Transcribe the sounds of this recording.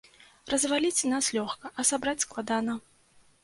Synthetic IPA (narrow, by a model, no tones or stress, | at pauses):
rɐzvalʲit͡sʲnaslʲɔxkɐʔɐsabɾat͡sʲsklˠad̪anɐ